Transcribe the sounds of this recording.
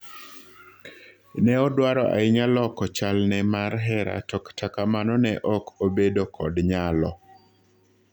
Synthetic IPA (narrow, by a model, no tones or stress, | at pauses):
nɛɔdwaɾɔʔa̰ɪɲalɔkɔt͡ʃalnɛmarɦɛɾa̰tɔktʰakamanɔnɛʔɔkʰobedokʰɔdɲalɔ